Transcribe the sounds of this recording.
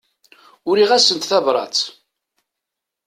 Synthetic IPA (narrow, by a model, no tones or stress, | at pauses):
ʊɾiʁæsənt̪θævɾˤɑ̰t͡s